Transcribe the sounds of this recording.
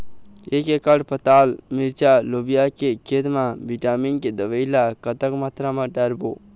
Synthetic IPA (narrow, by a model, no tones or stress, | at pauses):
ekekəɽpət̪almiɾt͡ʃalobijakekʰet̪mãʋiʈaminked̪əʋəjlakət̪əkmat̪ɾamãɖəɾbo̰